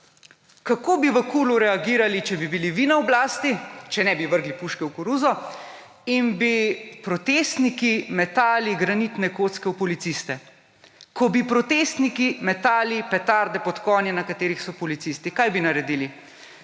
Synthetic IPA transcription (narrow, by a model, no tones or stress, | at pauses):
kakoːbiʋəkuːluɾɛaɡiːɾalit͡ʃɛbibiliʋinaɔblaːst̪it͡ʃɛnɛbiʋəɾɡlipuʃkɛwkɔɾuːzɔ | inbipɾɔt̪eːst̪nikimɛt̪aːliɡɾanit̪nɛkoːt̪skɛupɔlit̪sist̪ɛ | kɔbipɾɔt̪eːst̪nikimɛt̪aːlipɛt̪aɾd̪ɛpɔt̪kɔːnjɛnakat̪eːɾixsɔpɔlit̪sist̪ikajbinaɾɛd̪iːli